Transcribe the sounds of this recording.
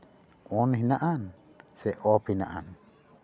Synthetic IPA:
ʔɔniɦinaʔan | sɛʔɔpinaʔa̰n

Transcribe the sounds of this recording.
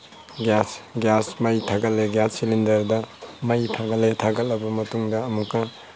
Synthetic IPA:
ɡasɡjasmɐjtʰaɡɐllːeɡjassilindɐɾdɐmɐjtʰaɡɐlːetʰaɡɐlɐbɐmɐtuŋdɐːmukːɐ

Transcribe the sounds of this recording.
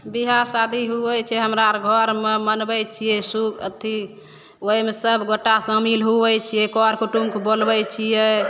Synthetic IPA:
biɦasad̪ʱiɦuɛjt͡ʃʰɛɦəmɾaɾɡʱəɾmemənbɛjt͡ʃʰijɛsukʰə̰t̪ʰi | oimesəbʱɡoʈːasə̃milɦubɛt͡ʃʰijɛkɔɾkuʈumkbolbɛt͡ʃʰijɛ

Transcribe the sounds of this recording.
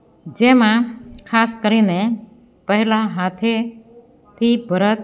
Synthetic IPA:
d͡ʒeːmãkʰaːskəɾiːne | pəɦɪlaɦaːt̪ʰe | t̪ʰibʱəɾət̪

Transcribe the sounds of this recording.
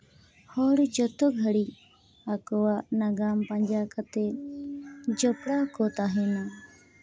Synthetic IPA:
hɔɽd͡ʒɔt̪ɔɡʱəɽi | akɔwanaɡampaɲd͡ʒakat̪ɛ | d͡ʒɔpɽakɔt̪aɦɛna

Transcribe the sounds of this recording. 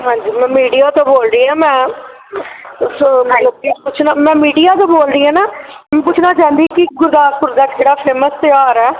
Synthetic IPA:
ɦãːɲd͡ʒiːmɛ̃ːmiːɖijaːt̪oːboːlɾəiːɛːmɛ̃ː | soːləkepʊt͡ʃʰnaːmɛ̃ːmiːɖijaːt̪oːboːlɾiːɦɛːnaː | ɛ̃ːpʊt͡ʃʰnaːt͡ʃãːnd̪iːkɪɡʊɾd̪aːɾpʊɾd̪aːkʰeːɽaːpʰeːməst̪ɪaːɾɛː

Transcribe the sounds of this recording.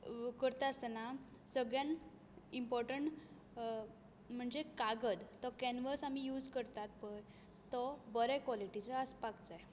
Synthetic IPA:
kəɾt̪asənasəɡɭjãn | impɔɾʈəɳʈ | m̤əɳd͡zekaɡəd̪t̪ɔkɛnʋəsam̤ijuːd͡zkəɾt̪at̪̚pəj | t̪ɔbəɾɛkʋɔliʈit͡səəspakt͡saj

